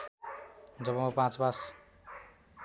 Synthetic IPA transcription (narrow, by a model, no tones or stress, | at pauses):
d͡zʌbʌ̃ʌpãt͡sbas